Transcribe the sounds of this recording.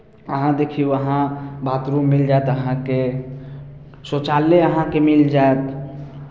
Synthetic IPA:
əɦãd̪eːkʰiʋəɦãbat̪ɾumːɪld͡ʒaet̪əɦãke | sot͡ʃaːlːeəɦãkemɪld͡ʒaet̪

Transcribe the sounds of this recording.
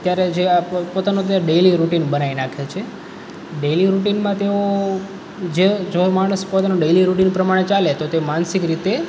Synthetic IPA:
ət̪jaɾed͡ʒepot̪anot̪̬eoɖejliɾuʈinbənainakʰet͡ʃʰe | ɖeliɾuʈinmãt̪eo | d͡ʒed͡ʒomaɽ̃əspot̪anõɖejliɾuʈinpɾəmaɽ̃et͡ʃalet̪ot̪eomansikɾit̪e

